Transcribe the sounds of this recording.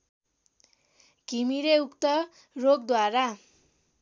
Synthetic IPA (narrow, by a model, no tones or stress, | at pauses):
ɡ̥ʱimiɾeukt̪ʌ | roɡ̚d̪waɾa